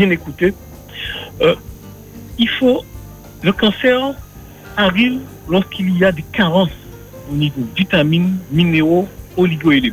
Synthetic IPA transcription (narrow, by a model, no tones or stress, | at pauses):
bjɛ̃nekut̪e | ifo | ləkɑ̃sɛʁ | aʁiv | lɔʁskʰilijad̪ekaʁɑ̃s | onivod̪it̪ɛmĩnmineʁooliɡoele